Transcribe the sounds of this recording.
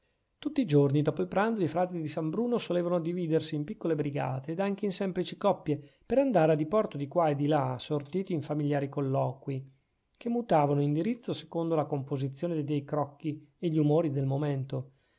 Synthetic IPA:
t̪ut̪ːiːd͡ʒornid̪ɔːpoilpɾand̪zoifɾaːt̪id̪isambɾuːnosoleːvanod̪iviːd̪ersiːmpikːolebɾiɡa̰ːt̪eːd̪aŋkeinsɛmplit͡ʃikɔpːje | peɾand̪aːɾead̪ipɔrt̪od̪ikwaed̪ilasort̪iːt̪iːɱfamiʎjaːɾikolːɔːkwi | kemːut̪aːvanoind̪iɾit̪sːose̥kond̪olakompozit̪sːjoːned̪ejd̪ɛjkɾɔkːieʎːiumoːɾid̪elmoment̪o

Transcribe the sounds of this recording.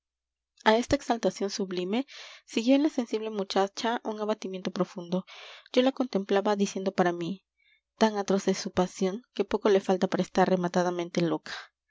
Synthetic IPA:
ae̞st̪aeksalt̪asjo̞nsuβlime̞siɣjo̞enlase̞nsiβle̞mut͡ʃat͡ʃaʔuŋaβat̪imjent̪o̞pɾo̞fund̪o̞ɟ͡ʝo̞lako̞nt̪e̞mplaβaðisje̞nd̪o̞paɾami | t̪aŋat̪ɾo̞sesupasjo̞ŋke̞po̞ko̞le̞falt̪apaɾaest̪aɾre̞mat̪aðamẽnt̪e̞lo̞kḁ

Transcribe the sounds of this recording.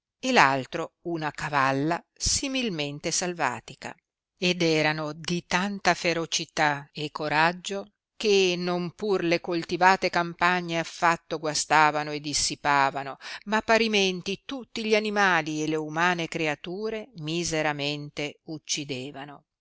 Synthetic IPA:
elalt̪ɾounakavalːa | similment̪esalva̰ːt̪ika̰ | ed̪ɛːɾanod̪it̪ant̪afeɾot͡ʃit̪aekːoɾad͡ʒːo | k̟enompurlekolt̪ivaːt̪ekampaɲːeafːat̪ːoɡwast̪aːvanoed̪isːipaːvanomapːaɾiment̪it̪ut̪ːiʎanimaːlieleumaːnekɾeat̪uːɾemizeɾament̪eut͡ʃːid̪eːvano

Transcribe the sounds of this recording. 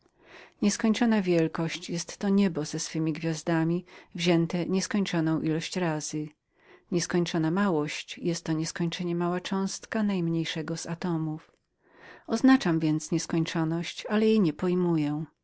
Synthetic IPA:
ɲɛskɔɲt͡ʂɔnavʲjɛlkɔɕt͡ɕjɛst̪ːɔɲɛbɔzɛsfɘmʲiɡvʲjazd̪amʲivʑɛnt̪ɛɲɛskɔɲt͡ʂɔnɔ̃w̃ʔilɔɕt͡ɕɾazɘ | ɲɛskɔɲt͡ʂɔnamawɔɕt͡ɕjɛst̪ːɔɲɛskɔɲt͡ʂɛɲɛmawat͡ʂɔ̃w̃st̪kanajmɲejʂɛɡɔz̥at̪ɔmuf | ɔznat͡ʂamvʲjɛnt̪sɲɛskɔɲt͡ʂɔnɔɕt͡ɕalɛjejɲɛpɔjmujɛ̃

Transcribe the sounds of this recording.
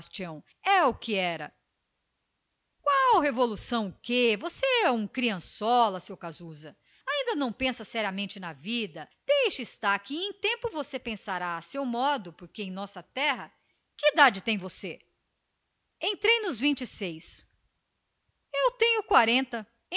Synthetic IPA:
st͡ʃiɐ̃w̃ | ɛʊkɪɛɾɐ̰ | kwawɦevolusɐ̃w̃ʊkevoseɛũkɾiɐ̃sɔlɐsewkazuzɐ | aĩnd̪ɐnɐ̃w̃pẽsɐsɛɾiɐmẽnt͡ʃɪnɐvid̪ɐd̪̥ejʃɪɪst̪aɾkɪẽj̃t̪ẽmpʊvosepẽsaɾaːsewmɔd̪ʊpoɾkeẽj̃nɔsɐt̪ɛɦɐ | kɪd̪ad͡ʒɪt̪ẽj̃vose | ẽnt̪ɾejnʊzvĩnt͡ʃɪsejs | ewt̪ẽɲʊkwaɾẽnt̪ɐ

